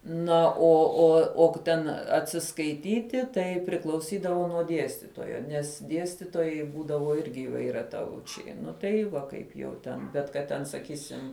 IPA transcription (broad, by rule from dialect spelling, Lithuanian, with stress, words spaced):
ˈnɐ oː oː oː k ˈtʲɛn ɐtʲsʲɪskɐɪˈtʲiːtʲɪ ˈtɐɪ pʲrʲɪklˠɐʊˈsʲiːdɐʋoː nuɔ ˈdʲiɛsʲtʲɪtoːjoː nʲɛs ˈdʲiɛsʲtʲɪtoːjɛɪ ˈbuːdɐʋoː ˈɪrʲɡʲɪ iːʋɐɪrʲɛˈtɐʊt͡ʃʲɛɪ ˈnʊ tɐɪ ˈʋɐ kɐɪp jɛʊ ˈtʲɛn bʲɛt kɐt ˈtʲɛn sɐˈkʲiːsʲɪm